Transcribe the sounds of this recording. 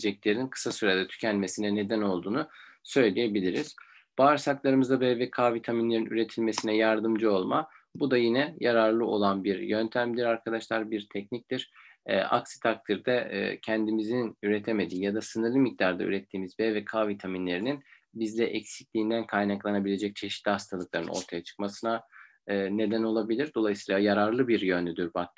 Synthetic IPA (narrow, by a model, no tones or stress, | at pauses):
d͡ʒɛclʲe̞ɾininkʰɯ̥sasyɾed̪ɛt̪ʰy̥cʰɛnme̞sinɛne̞d̪æno̞lˠd̪uːnusø̞jlʲije̞bilʲiɾiz̥ | b̥aːɾsaklˠaɾɯmɯzd̪abɛvvɛkʰaːvit̪ʰaminlʲe̞ɾinyɾe̞t̪ʰilʲme̞sinɛjaɾd̪ɯmd͡ʒɯo̞lˠma | bud̪ajinɛjaɾaɾlˠɯo̞̰lˠanbiɾjønt̪ʰæmd̪iɾaɾkʰad̪aʃlˠaɾbiɾt̪ʰɛcnic̚t̪iɾ̥ɛ̰a̰ksi̥t̪ʰak̚t̪ʰiɾd̪ɛ̰cʰɛnd̪imizinyɾet̪ʰeme̞d̪iːjad̪asɯnɯɾlˠɯmic̚d̪aɾd̪a̰y̰ɾɛt̪ʰːiːmizbɛːvɛkʰaːvit̪ʰaminlʲe̞ɾinin | bizlʲɛʔɛcsi̥clʲiːnd̪ænkʰajnaklˠanabilʲe̞d͡ʒɛc̚t͡ʃʰe̞ʃi̥t̪lʲihast̪ʰalˠɯklˠaɾɯ̰no̞̰ɾt̪ʰajat͡ʃʰɯ̥k̚masɯna | ɯːne̞d̪æno̞lˠabilʲiɾd̪o̞lˠajɯsiːlˠajaɾaɾlˠɯbiɾjønlʲyd̪yɾbat̪